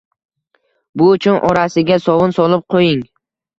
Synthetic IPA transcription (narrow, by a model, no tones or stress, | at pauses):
bʊʊt͡ʃʰʊnʔɒɾasɪɡʲasɒvʊnsɒlˠɪp̚qʰojɪŋ